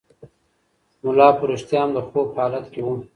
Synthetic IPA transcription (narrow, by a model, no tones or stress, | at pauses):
mʊlɑːpʊɾeʃt̪jɑːmd̪əxoːphɑːlat̪kewun